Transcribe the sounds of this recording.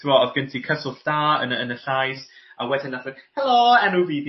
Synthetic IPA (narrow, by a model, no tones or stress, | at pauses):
tʰɪwɔɔvɡəntʰikʰəsʊɬd̥aːə̰nənəɬajs | awɛdɪnːaθənhɛloɛnuviːd